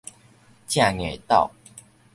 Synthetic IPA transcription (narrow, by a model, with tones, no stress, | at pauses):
t͡ɕja˥˨ŋe˨˩t̪a̰˥˨ʊ